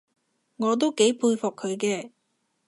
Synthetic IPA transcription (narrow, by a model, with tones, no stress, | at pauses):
ŋɔː˨˧t̪̬o˥wke˨˥jpʰuː˧jfʊ˨kʰːɵ˨˧ɥkɛː˧